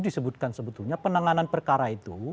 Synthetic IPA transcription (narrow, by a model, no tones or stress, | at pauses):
disəbut̪̚kansəbət̪uɲapənaŋananpərkaɾait̪u